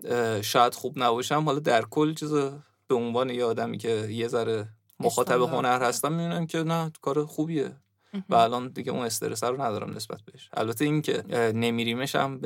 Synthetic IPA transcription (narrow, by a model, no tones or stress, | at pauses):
ʃɒːjæd̪̥xubnæbɒːʃæmhɒlɒːd̪æɾkʰolːt͡ʃʰize | b̥e̞onvɒːne̞jeɒːd̪æmḭcʰe̞je̞zæɾe | moxɒːt̪ʰæβeɦo̞næɾhæst̪ænmid̪uːnæmcʰe̞nækʰɒːɾexuːbiːje̞̰ | væːlɒːnd̪iɟeʔṵne̞st̪eɾesæɾonæd̪ɒːɾæ̰mnʔesb̥æ̰t̪̚ʰbeeʃʔæ̰lbæt̪ʰe̞iŋcʰe̞ne̞miːɾiːmeʃæ̰mb